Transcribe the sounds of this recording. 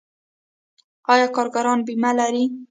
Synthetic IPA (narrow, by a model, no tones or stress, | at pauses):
ɑjɑkɑɾɡaɾɑnbimalaɾi